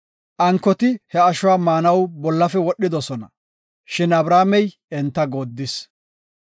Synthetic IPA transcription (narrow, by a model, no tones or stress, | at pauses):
ʔɐŋkːɔt̪ɪhɛɐʃʊwaːmaːnɐwbɔlːɐfɛwɔɗːɪd̪ɔsɔnɐ̰ | ʃɪnɐbɾaːmɛj | ɛnt̪ːɐɡoːd̪ːɪs